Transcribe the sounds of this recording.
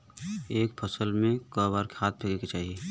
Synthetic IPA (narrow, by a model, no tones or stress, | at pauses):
eːk̚pʰɐsəlmẽkəːbaːɾke̥haːt̪̚bʰelket͡ʃaːɦieː